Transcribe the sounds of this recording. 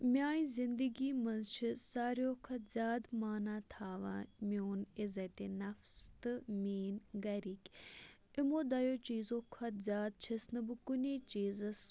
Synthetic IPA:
mʲaːĩzind̪əɡiːmɐnzt͡ʃʰisaːɾjoːkʰɐt̪zʲaːd̪maːnaːt̪ʰaːʋã̰ːmoːnɪzɐt̪enɐfst̪ɨmʲiːnɡɐɾikʲ | imoːd̪ɐjoːt͡ʃiːzoːkʰɐt̪zʲaːd̪̚t͡ʃʰisnɨbɨkʊneːt͡ʃiːzɐs

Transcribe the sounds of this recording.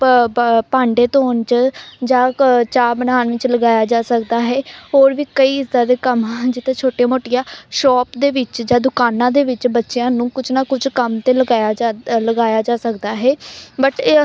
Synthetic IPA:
pãːɳɖeːt̪oːnt͡ʃd͡ʒãːt͡ʃaːbənaːnʋɪt͡ʃləɡaːjaːd͡ʒaːsəkd̪aːɦɛːɦoːɾʋiːkəiːɪzd̪aːd̪eːkəmd͡ʒɪt̪ʰẽːt͡ʃʰoːʈemoːʈɪjãːʃɔːpd̪eːʋɪt͡ʃd͡ʒãːd̪ʊkaːnãːd̪eːʋɪt͡ʃbətːʃejãːnũːkʊt͡ʃnaːkʊd͡ʒkəmt̪eːləɡaːjaːd͡ʒləɡaːjaːd͡ʒaːsəkd̪aːɦɛːbəʈ

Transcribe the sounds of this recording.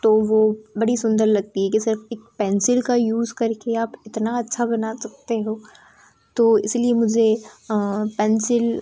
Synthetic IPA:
t̪oːʋobɐɽisʊ̃nd̪əɾlɐɡ̚t̪iɦɛkisɪɾfeːk̚pɛ̃ːnsɪlkajuːzkɐɾkeaːpɪt̪naɐtːʃʰabɐnasɐk̚t̪eɦoː | t̪oːɪ̰sliemʊd͡ʒʱe | pɛ̃ːnsɪl

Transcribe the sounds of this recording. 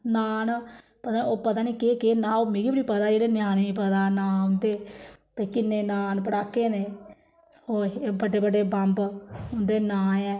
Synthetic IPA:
naːn | pət̪aːnioːpət̪aːniːkeːkeːnãːoːmeːɡiːbɽiːpəd̪aːd͡ʒeːɽeːnjaːneiːpəd̪aːnãːʊnd̪eːpəːkɪneːnaːnpəɽaːkːeːneː | oːbəɖeːbəɖeːbəmbʊnd̪eːnãːɛ̃ː

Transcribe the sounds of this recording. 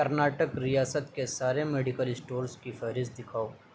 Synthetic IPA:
ɐɾnaːʈəkɾijaːsət̪kesaːɾemeːɖɪkəlɪsʈoːɾskifɛɦɾɪs̚d̪ɪkʰaːoː

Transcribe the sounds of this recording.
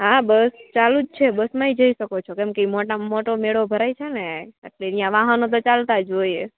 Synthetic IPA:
ɦabəst͡ʃalud͡ʒt͡ʃʰebəsmãid͡ʒəisəkot͡ʃʰokemkeimoʈamoʈomeɽobʱəɾajt͡ʃʰeneaʈleijãʋaɦənot̪̬ot͡ʃalt̪ad͡ʒoie

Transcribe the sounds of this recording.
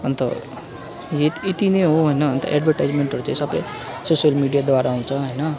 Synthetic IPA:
ʌnt̪ʌ̰ | jet̪et̪ineɦoɦʌjnʌːnt̪ʌ̰ʔḛɖbʱʌrʈajd͡zmeɳʈɦʌɾut͡sãĩsʌbʌ̰j | sosijʌlmiɽijad̪waɾaaũt͡sʰʌɦʌjnʌ

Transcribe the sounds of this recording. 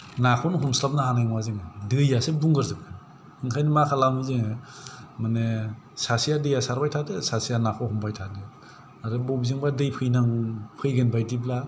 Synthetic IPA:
nakʰɔnhɔmslapnaɦanajŋwazɯŋɯdɯjasebuŋɡɯɾzɯp̚kʰɯn | ɯŋkʰajnimakʰalamizɯŋ | mane | sasijadɯjasaɾbajtʰadɯsasijanakʰɔhɔmpʰajtʰadɯ | aɾɯbɔbzɯŋbadɯjpʰɯjnaŋpʰɯjɡɯnbajdibla

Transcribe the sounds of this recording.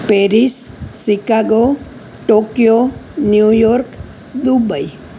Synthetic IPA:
peɾisːikaɡo | ʈokijonjujɔɾk | d̪ubaj

